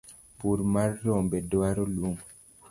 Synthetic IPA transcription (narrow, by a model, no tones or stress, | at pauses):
puɾmaɾːɔmbɛdoaɾoluŋ